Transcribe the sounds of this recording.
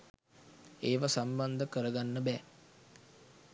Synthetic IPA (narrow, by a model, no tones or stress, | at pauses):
eːʋasamband̪əkəɾəɡanːəbɛː